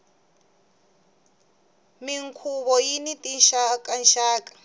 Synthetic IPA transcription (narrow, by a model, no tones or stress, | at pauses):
miŋkʰuβɔjinitinʃakanʃaːkʼḁ